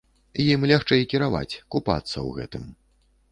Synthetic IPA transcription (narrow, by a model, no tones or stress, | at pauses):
jimlʲaxt͡ʂɛjkʲiɾava̰t͡sʲkupa̰t̪sːɐ̰wɣɛ̰t̪ɨm